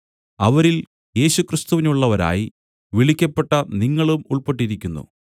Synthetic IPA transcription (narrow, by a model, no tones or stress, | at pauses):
ɐʋɐɾil | je̞ːɕukrist̪uʋinuɭːɐʋɐɾa̰ːji | ʋiɭikʲːɐpːe̞ʈːɐniŋːɐɭumuɭpeʈːiɾikʲːunːṵ